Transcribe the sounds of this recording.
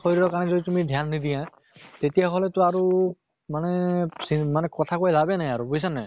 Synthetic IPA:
xoɾiɾɔkanɛzoditumidʱjanːid̪ijã | t̪etijaɦɔlɛtʊaɹu | manɛsimanɛkɔt̪ʰakojlabɛnajaɹubojsanaj

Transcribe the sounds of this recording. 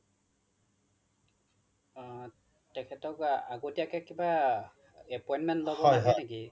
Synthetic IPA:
tɛkʰɛtɔkaɡotiakɛkiba | ɛpɔjnmɛntlobɔasɔneki

